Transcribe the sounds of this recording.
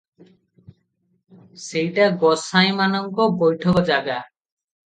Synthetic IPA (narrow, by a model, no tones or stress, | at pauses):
sejʈaɡɔsaj̃manɔŋkɔbojʈʰɔkɔd͡ʒaɡa